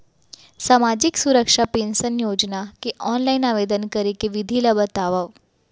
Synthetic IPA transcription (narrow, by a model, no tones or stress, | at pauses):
saːmad͡ʑiksuɾəkʂapensənjod͡ʒnakeʔɔnlainaʋed̪ənkəɾikeʋid̪ʱilabət̪aʋaʋ